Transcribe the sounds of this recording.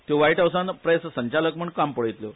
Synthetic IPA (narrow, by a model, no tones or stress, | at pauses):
t̪joʋaiʈɦawsãnpɾessəɲt͡ɕaləkm̤əɳɖkampəɽəjt̪lo